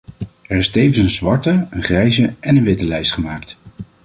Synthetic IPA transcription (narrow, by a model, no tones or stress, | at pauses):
ɛrɪstejvənsənzʋɑɹtəənχrɛjzəʔɛnənʋɪtəlɛjstχəmaːkt